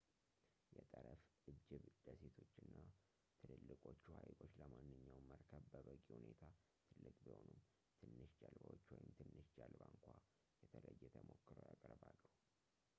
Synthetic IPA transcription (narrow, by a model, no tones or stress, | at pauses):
jɛt̪ʼəɾəfʔɨd͡ʒɪβd̪̥əse̞t̪ʰo̞t͡ʃːɨnːa | t̪ʰɨlɨlːɨkʼo̞t͡ʃːuhajɡo̞t͡ʃːləmanːɨɲːawməɾkʰəβbəβəkʼihune̞t̪ʰa | t̪ʰɨlːɨkʼbiho̞num | t̪ʰɨnːɨʃd͡ʒalbəwot͡ʃːwɔjɪmt̪ʰɨnːɨʃd͡ʒalbaŋkʷʰa | jɛt̪ʰələjːɛt̪ʰəmo̞kːɨɾə̰wjakʼəɾbalːəhu